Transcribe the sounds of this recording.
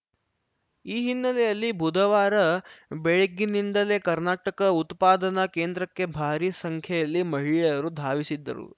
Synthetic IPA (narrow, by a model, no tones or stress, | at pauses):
iːɦinːɐlɛjɐlːibʱud̪ʱɐʋaːɾɐbeɭeɡːinind̪ɐle̞ːkɐɾnaːʈɐkɐut̪paːd̪ɐnɐke̞ːnd̪ɾɐkːe̞bʱaːɾisɐŋkʰjɐjɐlːimɐɦiɭeɐɾud̪ʱaːʋisid̪ːɐ̰ɾṵ